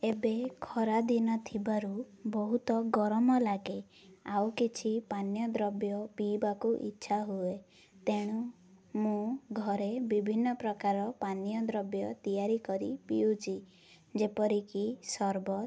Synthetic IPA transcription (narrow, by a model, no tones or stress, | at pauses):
ebekʰɔɾad̪inɔt̪ʰibaɾu | bɔɦut̪ɔɡɔɾɔmɔlaɡe | awkit͡ʃʰipanjɔd̪ɾɔbjɔpibakuʔḭtːʃʰaɦue | t̪eɽ̃u | mũɡʱɔɾebibʱinːɔpɾɔkaɾɔpanjɔd̪ɾɔbjɔt̪ijaɾikɔɾḭpiut͡ʃʰi | d͡ʒepɔɾikisɔɾbɔ